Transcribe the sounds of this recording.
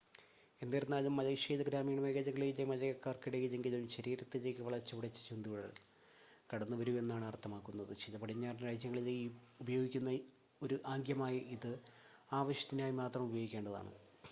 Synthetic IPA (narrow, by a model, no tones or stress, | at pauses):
e̞nd̪aːjɾnːaːlɐmːɐlɐɕeːðɐɡɾaːmiːɳɐmɐɡed͡ʑɐŋɡɐɭeid͡ʑemɐlɐjɐkːaːrkiɽeɣid͡ʑeŋɡilɐumɕɐɾiːɾɐt̪ːileːkːɨʋɐɭɐt͡ɕːɐpiɽɐt͡ɕːɐ̥t͡ɕund̪iʋɐɐ̰l | kɐɽɐnːɨʋɐɾuʋe̞nːaːɳɨɐrt̪ʰɐmaːkːunːɐðɨɕeːd̪ɐpɐɽiɲːaːrinɾaːd͡ʑjɐŋːɐɭileiubɐjo̞ːɡikʲːunːɐ | o̞ɾuʔaːŋɡjɐmaːjɐiðɨaːʋɐɕjɐ̥t̪ːinaːjimaːt̪rɐmubɐjo̞ːɡikʲːeːɳɖɐða̰ːɳɨ̰